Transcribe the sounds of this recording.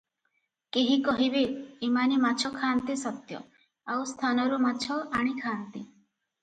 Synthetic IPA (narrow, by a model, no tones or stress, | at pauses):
keɦikɔɦibeimanimat͡ʃʰɔkʰant̪isɔt̪jɔ̰ | awst̪ʰanɔɾumat͡ʃʰɔaɽ̃ikʰaːnt̪i